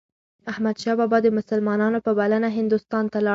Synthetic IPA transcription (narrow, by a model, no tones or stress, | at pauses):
ahmad̪ʃɑbɑbɑd̪əmʊsəlmɑnɑnopəbalanaɦɪnd̪ʊst̪ɑnt̪alɑ